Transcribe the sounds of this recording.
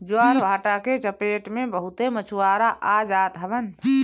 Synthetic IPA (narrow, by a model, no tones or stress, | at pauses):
d͡ʒuaːɾʋʱaːʈaket͡ʃəpeːʈmẽbəɦut̪emət͡ʃʰuwaːɾaʔad͡ʒaːt̪ɦəbən